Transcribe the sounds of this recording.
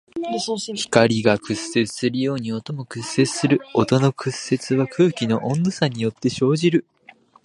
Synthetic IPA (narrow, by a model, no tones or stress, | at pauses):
çi̥kaɾʲiɡakɯ̟sːe̞t͡sɨ̥sɨɾɯ̟jo̞ːɲ̟io̞t̪o̞mo̞kɯ̟sːe̞t͡sɨ̥sɨɾɯ̟ot̪o̞no̞kɯ̟sːe̞t͡sɨβakʰɯ̟ːkʲino̞ʔõnd̪osaɲ̟ijo̞t̪ːe̞ɕo̞ːʑiɾɯ̟